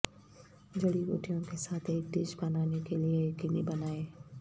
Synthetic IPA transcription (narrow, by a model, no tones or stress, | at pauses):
d͡ʒɐɽiɡo̰ːʈʰijõkesaːt̪ʰeːk̚ɖɪʃbɐnaːnekeliekinibɐnaːeː